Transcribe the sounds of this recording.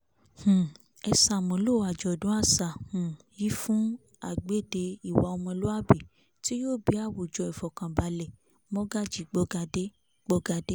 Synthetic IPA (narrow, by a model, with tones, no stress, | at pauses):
h̩˨ | ɛ˧sa˨mɔ̃˨lo˦˨a˨d͡ʒɔ˨dũ˨˦a˦˨sa˨hũ˨ | ji˦fũ˦ | a˦˨ɡ͡be˦˨de˧i˨wa˧˦o˧mɔ̃˧lo˦a˦˨bi˨ | ti˦jo˦˨bi˨˦a˦˨wu˨d͡ʒɔ˧i˨fɔ˨kã˨ba˨lɛ˨ | mɔ̃˦ɡa˦˨d͡ʒi˦˨ɡ͡bɔ˦ɡa˧de˦ | ɡ͡bɔ˧˦ɡa˧de˦